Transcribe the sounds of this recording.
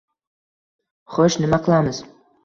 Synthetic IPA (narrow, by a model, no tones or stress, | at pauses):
χoʃnɪmaqʰɨlˠamɨz̥